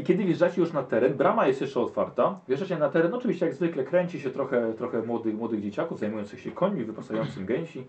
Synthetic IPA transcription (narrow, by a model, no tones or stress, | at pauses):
ikʲɛd̪ɘvʲjɛʐat͡ɕɛjuʂnat̪ɛɾɛnbɾamajɛst̪jɛʂt͡ʂɛɔt̪faɾt̪avʲjɛʐat͡ɕɛnat̪ɛɾɛnɔt͡ʂɨvʲiɕt͡ɕɛjaɡzvɘklɛkɾɛɲt͡ɕiɕɛt̪ɾɔxɛt̪ɾɔxɛmwɔd̪ɘxmwɔd̪ɘɣd͡ʑet͡ɕakuvzajmujɔnt̪sɘxɕɛkʰɔɲmʲivɘpasajɔnt̪sɘmɡɛɲɕi